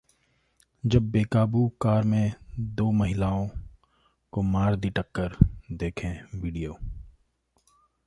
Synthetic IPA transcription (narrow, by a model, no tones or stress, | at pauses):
d͡ʒɐbːeːkaːbukaːɾmẽd̪oːmɐɦɪlaːõ | komaːɾd̪iʈəkːəɾd̪eːkʰẽʋiːɖijoː